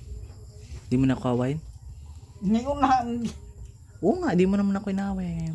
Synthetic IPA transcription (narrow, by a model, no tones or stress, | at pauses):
d̪imonakohawaɪn | ŋiunan | ʔoŋaʔd̪imonɐmanɐkoɪnaːwajaŋɐjo